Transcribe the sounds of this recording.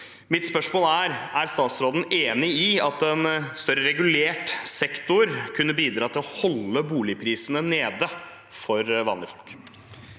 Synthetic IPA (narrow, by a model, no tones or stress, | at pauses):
mɪt̪spœʂmoːləæɾæɾst̪ɑːt̪sɾoːd̪n̩eːnɪiɑt̪ɛnst̪œɾəɾɛɡʉleːʈsɛkt̪ʊɾkʰʉnːəbiːd̪ɾɑːt̪ʰɪlɔhɔlːəbuːlɪpʰɾiːsənəneːd̪ə | fɔɾʋɑːnlɪfɔlk